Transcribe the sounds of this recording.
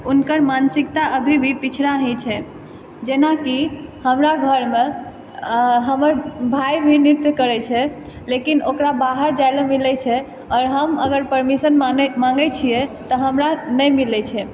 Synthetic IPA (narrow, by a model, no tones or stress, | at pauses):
unkəɾmansikt̪aʔəbʱibʱipit͡ʃʰɾaɦɛ̃t͡ʃʰɛ | d͡ʒenakihəmɾaɡʱəɾme | ɦəməɾbʱajbʱinit̪ːjkəɾɛt͡ʃʰɛ | lekinokɾabaɦəɾd͡ʒajlmilɛt͡ʃʰɛ | ɔɾɦəməɡəɾpəɾmisənmãŋɡɛt͡ʃʰijɛt̪əɦəmɾanəmilɛt͡ʃʰɛ